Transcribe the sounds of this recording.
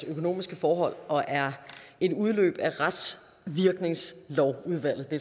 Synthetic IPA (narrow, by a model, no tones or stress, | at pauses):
økʰo̝no̝̰ːmisɡ̥əfɒːɦɒ̽l̰ɒ̽ʔæɐe̝d̥uð̞ˠlø̰ːb̥æʁad̥s | ʋiɐɡ̥ne̝ŋslɒʊuð̞ˠʋæl̰ð̩ˠd̥e